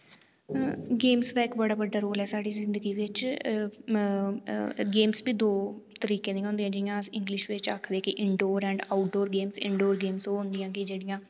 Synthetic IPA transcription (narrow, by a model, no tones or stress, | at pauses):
ɡeːmsd̪aːɪkbəɽaːbəɖːaːɾoːlɛːsaːɖiːzɪnd̪əɡiːʋɪt͡ʃ | ɡeːmsbiːd̪oːt̪əɾiːkẽːnĩːɦõːnd̪ẽãːd͡ʒɪɪjãːəsɪ̃ŋɡlɪʃʋɪt͡ʃaːkʰd̪eːkɪʔɪɳɖoːɾɛ̃ːɳɖaːʊʈ̚ɖoːɾɡeːmsɪ̰̃ɳɖoːɾɡeːmsoːɦʊ̃nd̪ɪjãːkɪd͡ʒeːɽɪjãː